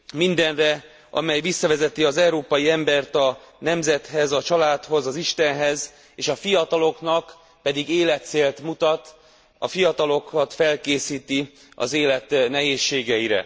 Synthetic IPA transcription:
mind̪ɛnrɛ | ɒ̰mɛjvisːɒvɛzɛt̪iɒzɛuɾoːpɒjiɛmbɛrt̪ɒ | nɛmzɛt̪hɛzɒt͡ʃɒlaːt̪ho̞zɒziʃt̪ɛnɦɛz | eːʃɒfijɒt̪ɒlo̞knɒk | pɛd̪iɡeːlɛt̪seːlt̪mut̪ɒt̪ | ɒ̰fijɒt̪ɒlo̞kɒt̪fɛlkeːsiːt̪i | ɒ̰zeːlɛt̪nɛɦeːʃːeːɡɛjiɾɛ̰

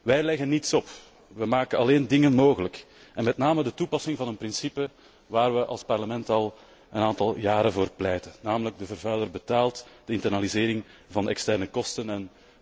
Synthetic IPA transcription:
ʋɛjlɛɣənːitsɔp | ʋəmaːkənɑleːndɪŋənmoːɣələk | ɛnmɛtnaːmədətupɑsɪŋvɑnənpɾɪnsipə | ʋaːrʋəʔɑ̰lˠspɑrləmɛntɑlˠ | ənaːntɑlˠjaːɾəvoːrplɛjtənːaːmələɡ̚dəvərvœːlərbətaːlˠtd̥əɪntərnalizɪːɾɪŋvɑndɛkstɛrnəkɔstənɛn

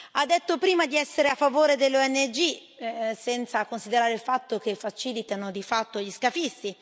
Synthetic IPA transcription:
ad̪ːet̪ːopɾiːmad̪iɛsːeɾeafːavoːɾed̪elːoɛnːed͡ʒi | sɛnt̪sakonsid̪eɾaːɾeilfat̪ːok̟efat͡ʃiːlit̪anod̪ifat̪ːoʎiskafist̪i

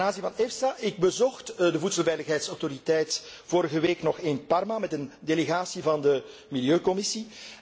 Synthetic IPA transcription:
naːnzinvɑnɛfsaʔɪɡ̚bəzɔxtdəvutsəlˠvɛjləxɦɛjtsɔwtoɾitɛjtv̥oːɾəɣəʋeːknɔxeːnpɑrmamɛtəndeleɣaːsivɑndə | miljøːkɔmɪsi

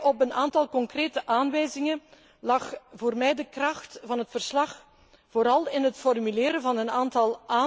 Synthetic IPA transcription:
ʔɔpənaːntɑlˠkɔŋkreːtəʔaːnʋɛːjzɪŋən | lɑxvoːrmɛjdəkrɑxtvɑnɦətfərslɑx | voːɾɑlˠɪnɦətfɔrmylɪːɾəvɑnənaːntɑlˠʔaː

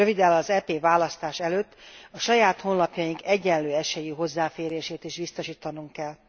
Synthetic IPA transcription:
øvid̪ɛlɒzɛpeːvaːlɒst̪aːʃɛløːt̪ːɒʃɒjaːt̪ho̞nlɒpjɒjiŋkɛɟːɛnløːɛʃɛjiɦo̞zːaːfeːɾeːʃeːt̪iʃʋist̪o̞ʃiːt̪ɒnuŋkːɛlː

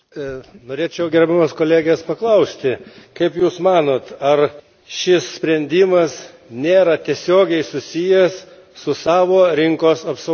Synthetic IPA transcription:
noːɾʲeːt͡ʃʲɛʊɡʲɛɾʲbʲɛmɐskoːlʲæːɡʲeːspɐklˠɐʊsʲt̪ʲɪkɐɪpjuːsmɑːnoːt̪ɐr | ʃʲɪssʲpʲɾʲɛnʲd̪ʲɪmɐs | nʲeːɾɐt̪ʲiɛsʲoːɡʲɛɪsʊsʲɪjɛs | sʊsɑːʋoːɾʲɪŋkoːsɐpsɐʊ

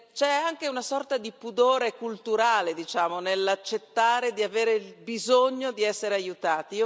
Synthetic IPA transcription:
t͡ʃɛaŋk̟eunasɔrt̪ad̪ipud̪oːɾekult̪uɾaːled̪it͡ʃaːmonelat͡ʃːet̪ːaːɾed̪iaveːɾeilbizoɲːod̪iɛsːeɾeajut̪aːt̪i

